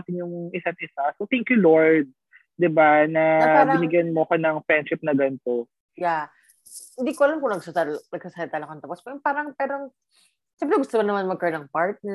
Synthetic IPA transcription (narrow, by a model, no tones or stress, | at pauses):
at̪ɪnjʊŋɪsanʔɪsasot̪ɛŋkjuloɹd̪̚ | d̪ɪbanɐapːɾɐɪnɪɡjɐnmoɐkonɐŋfɾɛnʃɪp̚nɐɡɐnt̪o | ja | hɪ̃nd̪iːkoʔɐlamkʊŋnɐɡsɐanɐɡ̚sasaːhɐdt̪alɐkont̪ɐpospɛɾpaːɾɐŋpɛːɾo | sɛmpɾɛɡʊst̪omɐnɐmanmɐɡ̚kɐɾonɐŋpaɹt̪̚nɛ